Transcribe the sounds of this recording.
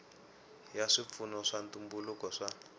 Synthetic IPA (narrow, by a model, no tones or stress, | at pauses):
jaʂip̪funɔʂantumbulukɔʂa